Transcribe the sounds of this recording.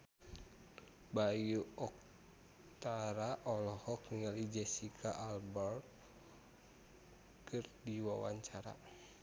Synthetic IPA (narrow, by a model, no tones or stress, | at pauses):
bajuɔk̚ | t̪aɾaʔɔlɔhɔkniŋalid͡ʒɛsikʰaʔalbɔr | kɨrdiwawa̰ɲt͡ʃaɾa̰